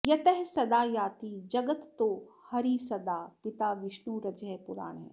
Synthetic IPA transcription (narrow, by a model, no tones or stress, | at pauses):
jɐt̪əɦsɐd̪aːjaːt̪id͡ʒɐɡət̪ːoːhɐɾisɐd̪aːpɪt̪aːʋɪʃnuːɾɐd͡ʒɛːpʊɾa̰ːɽ̃ɦɛ̰ː